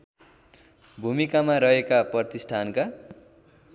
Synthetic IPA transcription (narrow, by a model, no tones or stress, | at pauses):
bʱumikamaɾʌɦekaprʌrt̪isʈʰanka